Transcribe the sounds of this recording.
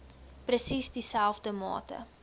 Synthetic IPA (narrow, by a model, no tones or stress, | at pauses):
prəsisdisɛlˠfdəmɑ̰ːtə̰